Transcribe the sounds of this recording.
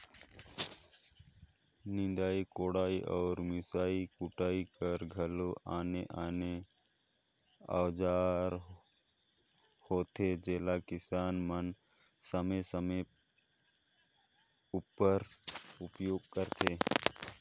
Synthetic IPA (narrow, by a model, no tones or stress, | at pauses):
nɪ̃d̪aːikoːɽaːiʔɔːɾmɪsaːikʊʈaːikəɾɡʱəloʔaːneʔaːne | a̰ːʋd͡ʒaːɾ | hoːt̪ʰed͡ʒeːlakɪsaːnmən | səməsəme | upəɾʊpjoːɡ̚kəɾt̪ʰeː